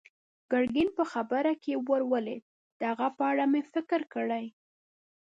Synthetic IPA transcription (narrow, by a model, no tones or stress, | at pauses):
ɡ̥aɽɡinpəxabəɾakewəɾwəled̪̚ | d̪̥əhaɣapəaɽamefɪkɪɾkəɽəj